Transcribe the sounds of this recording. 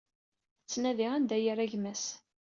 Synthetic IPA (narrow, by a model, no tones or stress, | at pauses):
t͡sːnæðiʁænd̪æjəɾæʝmæs